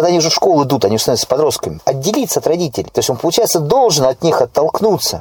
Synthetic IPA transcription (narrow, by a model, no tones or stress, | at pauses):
d̪aɐnʲiʊʐɛfʂko̞lˠɨd̪ut̪ɐnʲiuʐst̪nospɐd̪ɾo̞st̪̚kəmʲɪɐdʲːɪlʲit̪səɐt̪rɐdʲitʲɪlʲɪt̪o̞sʲo̞npəlˠʊt͡ɕæjɪt̪səd̪o̞lˠʐɨnɐt̪nʲixɐt̪ːɐlˠknut̪sə